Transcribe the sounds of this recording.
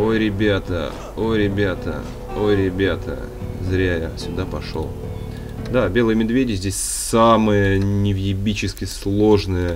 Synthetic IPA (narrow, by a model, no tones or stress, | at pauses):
o̞jɾʲɪbʲat̪ə̰ | o̞ɾʲɪbʲat̪ə̰ | o̞jɾʲɪbʲat̪ʰə̰ | zɾʲæja̰sʲʊd̪apɐʂo̰lˠ | d̪abʲe̞lˠəjəmʲɪd̪vʲedʲɪzʲdʲesʲ | saməjənʲɪvjɪbʲit͡ɕɪskʲɪslˠo̞ʐnəjə